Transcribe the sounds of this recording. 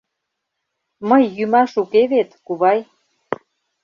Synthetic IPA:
məjːymɑʃukeβet̪kuβɑj

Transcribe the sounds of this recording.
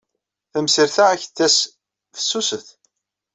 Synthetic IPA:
θəmsiɾθææçθːæs | fə̥sːusəθ

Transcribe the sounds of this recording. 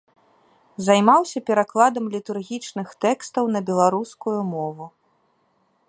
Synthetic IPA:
zajmawsʲɐpʲɛɾaklˠad̪ɐmlʲit̪urɣʲit͡ʂnɨxt̪ɛkst̪ɐwn̪ɐbʲɛlˠaɾuskujumɔvu

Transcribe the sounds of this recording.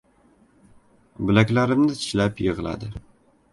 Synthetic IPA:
bɪlakʲlaɾɪmnɪt̪ʰɪʃlapjɨʁlˠa̰d̪ɪ

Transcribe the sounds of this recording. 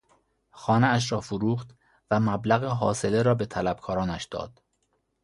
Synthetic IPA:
xɒːneæʃ̬ɾɒːfoɾuːxt̪ | væmæblæɣeɦɒ̰ːse̞leɾɒːbe̞t̪ʰælæb̥̚kʰɒːɾɒːnæʃd̪ɒ̰ːd̪̥

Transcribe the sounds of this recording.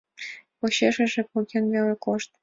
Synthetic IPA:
poɕeʃĕʒĕpokʲenvelekoʃt̪̚

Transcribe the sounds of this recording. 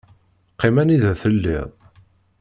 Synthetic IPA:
qːɪmæniðæθəlːɪ̰ðˤ

